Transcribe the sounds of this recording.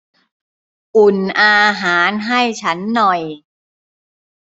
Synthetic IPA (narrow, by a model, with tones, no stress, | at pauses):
ʔu˨˩nʔaː˧ɦaː˩˦nɦa˥˩jt͡ɕʰa˦˥nːɔ˨˩j